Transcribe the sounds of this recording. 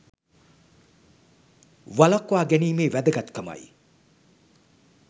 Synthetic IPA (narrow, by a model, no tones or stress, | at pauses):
ʋɐlɐkwaːɡeniːmeːʋæd̪ɐɡɐt̪kɐmɐ̰j